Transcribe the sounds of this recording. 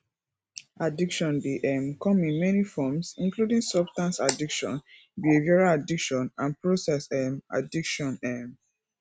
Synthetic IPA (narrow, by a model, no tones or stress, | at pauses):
adikʃɔ̃ndiʔɛmkɔ̃mĩnmɛnifɔmsĩnkludĩŋsɔbstãnsadikʃɔ̰̃n | bievaɹaadikʃɔ̃nãnpɹosɛsɛma̰dikʃɔ̃nɛm